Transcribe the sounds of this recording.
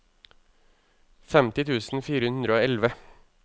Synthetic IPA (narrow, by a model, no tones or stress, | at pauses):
fɛmt̪ɪt̪ʰʉːsn̩fiːɾəʉnnɾəoːɛlʋə